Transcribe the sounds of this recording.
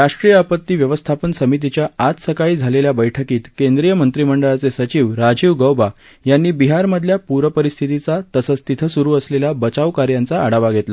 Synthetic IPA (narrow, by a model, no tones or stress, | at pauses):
ɾaʂʈɾijəapət̪ːiːʋjəʋəst̪ʰapənsəmit̪̬it͡ɕjaat̪səkaɭiːd͡zʱaleljabəjʈʰəkiːt̪kend̪ɾijəmənt̪ɾiməɳɖəɭat͡sesət͡ɕiʋɾad͡ʑiʋɡəwba | janːiːbiɦaɾməd̪ʱljapuɾəpəɾist̪ʰit̪it͡sat̪əsət͡st̪it̪ʰəsuɾuːəsleljabət͡saʋkaɾjant͡saːɽaʋaɡʱet̪la